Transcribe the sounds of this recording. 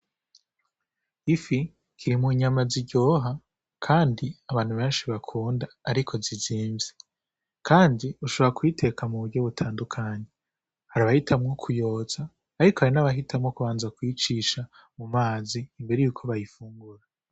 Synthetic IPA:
ifi | kʰiɾimuɲamaziɟo̞ːɦa | kʰaːndiaβaːnhuβe̞ːnʃiβakʰuːndaːɾikʰo̞ziziːmze | kʰaːndiuʃo̞βoɾakwiːte̞kʰamuβuɾɟo̞βutʰaːndukʰaɲe | haɾaβahitʰamŋo̞kʰujo̞ːz̥aː | ɾikohaɾinaβaɦitʰamŋo̞kuβaːnzakwiːt͡ʃiːʃa | mumaːziːmbe̞ɾe̞juːkʰo̞βajifuːŋɡuɾa

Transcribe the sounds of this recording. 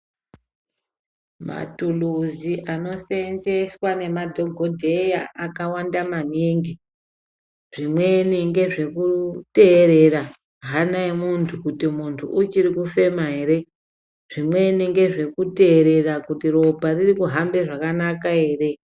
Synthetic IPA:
ma̰tuluziʔano̞senze̞swane̞madʱo̞ɡʱo̞dʱe̞jaakawandamaniːŋɡi | ʐ̥imwe̞niŋɡe̞ʐe̞kute̞ːɾe̞ra | ɦanaimuntʰukutimuntʰṵʔut͡ʃiɾikufe̞maɦeɾe̞ | ʐ̥imwe̞niŋɡe̞ʐe̞kute̞ːɾe̞rakutiro̞bʱaririkuɦambe̞ʐakanakae̞ːre̞

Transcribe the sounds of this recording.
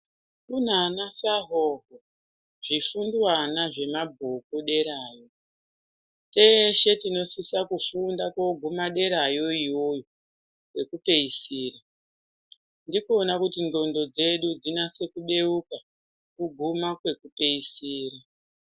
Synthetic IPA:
kun̤anasaɦoɦo | ʐ̥ifundwanaʐe̞mabʱokoɗe̞ɾaːjo̞ | teʃe̞tino̞sisakufundakwo̞ɡʱumaɗe̞ɾajo̞ijo̞jo | kwe̞kupe̞isiːra | ndikoːnakutindo̞ndo̞d͡ze̞ɗud͡zinase̞kuɓe̞uka | kuɡʱumakwe̞kupe̞isiːra

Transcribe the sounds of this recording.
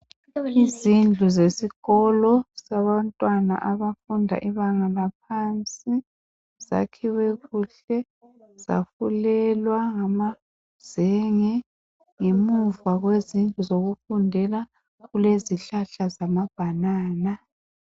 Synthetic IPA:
izind͡ɮʱuzesiɣɔlɔsaβantʼwana̰ʔaβafundʱa̰ʔiβaŋalap̚ʰant͡sʼi | z̥a̰kʰiwɛɣuɬɛ | z̥a̰fulɛlwaŋama | z̥ɛŋɛ | ŋemuvaɣwezind͡ɮʱuzoɣufundʱɛla | ɣuleziɬaɬazamab̥ʱanaːna

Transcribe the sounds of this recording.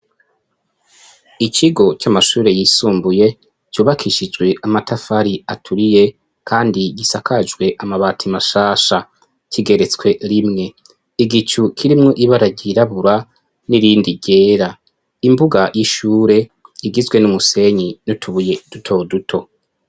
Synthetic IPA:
it͡ʃiɡo̞t͡ʃamaʃuːɾe̞jiːsuːmbuje̞ | t͡ʃuːβakʰiʃid͡ʒɡwe̞ʔamatʰafaɾiatʰuɾije̞ | kʰaːndiɡisakʰad͡ʒɡwe̞ʔamaβaːtʰimaʃaːʃa | cʰiɡe̞ɾe̞t͡swe̞ɾimŋe̞ | iɡit͡ʃukʰiɾimŋoʔiβaɾaɟiɾaβuɾa | niɾiːndiɟe̞ːɾa | imbuɡajiʃuːɾe̞iɡizɡwe̞numuse̞ɲinutʰuβuje̞dutʰo̞dutʰo̞

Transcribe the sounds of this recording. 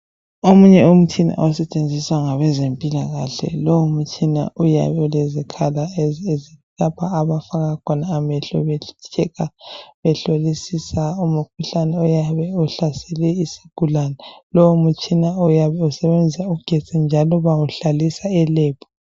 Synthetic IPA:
omuɲɛum̩t͡ʃʰina̰ʔɔsɛt͡ʃʼend͡zʱiswaŋaβɛzempʼilaɣaɬɛ̰lowumut͡ʃʰʼina̰uja̰βɛulɛzikʰalaezi | lapʰaːβafaŋakʰɔnaːmɛɬɔ̰βɛt͡ʃʰɛkaβɛɬolisisaumuk̚ʰuɬanɛɔjaβɛɔɬasɛlɛisiɡ̥ʱulanɛlɔwumut͡ʃʰʼinaɔjaβɛusɛβend͡zʱisauɡ̥ʱe̥t͡sʼind͡ʒʱalɔβawuɬalisaɛlɛːpʰɔ̥

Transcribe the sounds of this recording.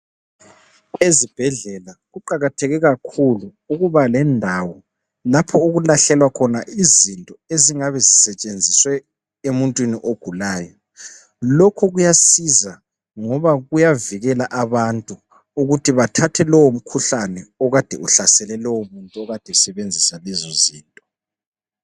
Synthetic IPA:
ezib̥ʱɛɮɛlaɣuǃaɣatʰɛɣɛɣakʰulu | uɣuβalɛndʱawɔ | lapʰɔuɣulaɬɛlwakʰɔnaʔizintʼɔeziŋaβɛzisɛt͡ʃʼend͡zʱiswɛ | emuntʼwiniʔoɡ̥ʱulaːjɔ | lɔkʰɔɣujasiza | ŋɔβaɣujaviɣɛlaʔaβantʼu | uɣutʰiβatʰatʰɛlɔwom̩kʰuɬanɛɔɣad̥ʱɛuɬasɛlɛlɔwomuntʼuɔɣad̥ʱɛsɛβend͡zʱisalɛzɔziːntʼɔ̥

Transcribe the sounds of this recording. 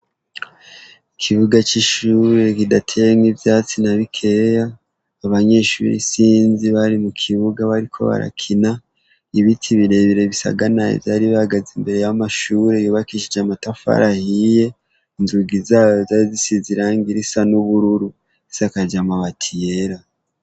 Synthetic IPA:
ikʰiβuɡat͡ʃiʃuːɾe̞kidatʰeŋivjaːt͡sinaβikʰejaː | βaɲe̞ːʃṵɾḭsiːnziβaɾimukʰiβuɡaβaɾikʰo̞̰βa̰ɾa̰kʰina | iβitʰiβiɾe̞βiɾe̞βisa̰ɡanaḭvjaːɾiβaɡazimbe̞ɾe̞jamaʃuɾe̞juːβakiʃid͡ʒamatafa̰ɾahije̞ | inzuɡizajozaizisiziɾaːŋɡiɾisanuβuɾuɾu | isakad͡ʒamaβatʰijeɾa

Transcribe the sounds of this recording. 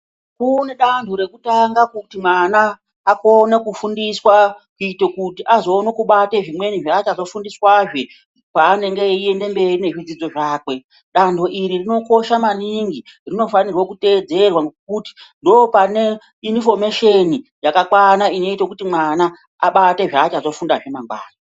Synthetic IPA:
kune̞ɗantʰuɾe̞kutaŋɡakutimwanaː | ko̞nekufundiswakuitekutiʔazo̞ːnokuɓate̞ʐimwe̞niʐaːt͡ʃazo̞fundiswaʐe | paːne̞ŋɡe̞ie̞nde̞mbe̞rine̞ʐid͡zid͡zo̞ʐaːkwe̞ | ɗandʰo̞ʔiɾirino̞ko̞ʃamaniŋɡirino̞fanirwo̞kute̞d͡ze̞rwakuti̥ndo̞ːpane̞ | info̞meʃenijakakwanaino̞itekutimwana | a̰ɓateʐaːt͡ʃazo̞fundaʐe̞maŋɡwaːzo

